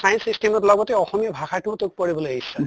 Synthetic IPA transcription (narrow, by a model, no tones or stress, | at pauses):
sajnsistemɔtlɔɡɔtɛɔxɔmijabʱaxaɹtutok̚pɔɹibɔlojaɦisɛ